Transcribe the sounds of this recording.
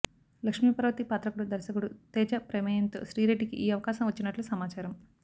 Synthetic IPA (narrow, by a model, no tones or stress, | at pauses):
lɐkʂmipɐɾɐʋɐt̪ipaːt̪ɾɐkuɽud̪ɐɾsɐkuɽut̪ɛːt͡ʃɐpɾemɐjɐnt̪uʃɾiːɾeɖːikiʔiːɐʋɐkaːʃɐmʋɐt͡ʃːinɐʈlusɐmaːt͡ʃaːɾɐm